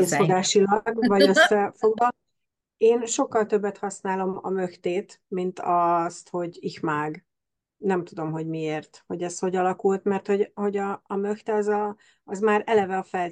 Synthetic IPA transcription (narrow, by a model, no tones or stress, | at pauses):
eːsfoɡaːʃilɒɡvɒɟø̞sːɛfo̞ɡvɒ | eːnʃo̞kːɒlt̪ø̞bːɛt̪hɒsnaːlo̞mɒ̰mø̞xt̪eːt̪mint̪ɒst̪ho̞ɟixmaːɡ | nɛmt̪ud̪o̞mɦo̞ɟmieːrt̪ho̞ɟɛsho̞ɟɒlɒkult̪mɛrt̪ho̞ɟho̞ɟɒːmøxt̪ɛɒzɒ | ɒzmaːɾɛlɛvɛɒfɛl